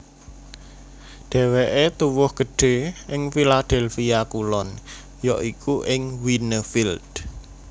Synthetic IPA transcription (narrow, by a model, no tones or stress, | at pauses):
ɖ̪̥ɛ̤weʔet̪uwʊhɡ̥ə̤ɖ̥e̤ʔɪŋfilad̪̥ɛlfiakulɔn | jɔʔikuʔɪŋwinəfild̪̥